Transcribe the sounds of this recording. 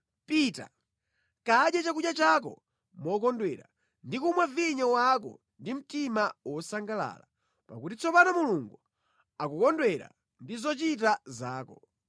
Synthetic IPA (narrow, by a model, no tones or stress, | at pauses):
piːta̰ | kaɗjat͡ʃakujat͡ʃak̬ɔ̰ | mɔkɔndwɛɾa̰ | ndikumwaviɲɔwak̬ɔ̰ | ndim̩timawɔsaŋɡala̰ːla | pakutit͡sʰɔpanamuluŋɡu | akukɔndwɛɾa̰ | ndizɔt͡ʃit̬azaːkɔ